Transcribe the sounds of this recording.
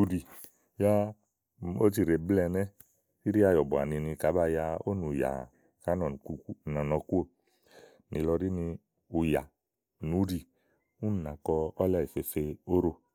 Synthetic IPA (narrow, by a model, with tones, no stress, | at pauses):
u˧ɾi˧ | ja˦ | o˦t͡ʃi˧ɾe˨blɛ˧nɛ˦ | i˦ɾi˦a˧jɔ˨bɔ˨a̰˨ni˧ni˧ka˨˦ba˧ja˧o˦nu˨ja̰˨ | ka˨˦nɔ˨n˨ku˧knɔ˨nɔ˧ku˦o˦˨ | ni˨˧˨lɔ˧ɾi˦ni˧ | u˧ja˨ | nu˨˦ɾi˧ | u˦n˨na˨kɔ˧ɔ˦lɛ˦˨i˨fe˧fe˧o˦ɾo˧